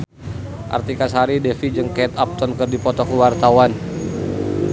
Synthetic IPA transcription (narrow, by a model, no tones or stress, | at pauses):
ʔa̰rt̪ikasaɾidɛfid͡ʒɨŋkɛt̪ap̚t̪ɔnkərdipɔt̪ɔkuwart̪awan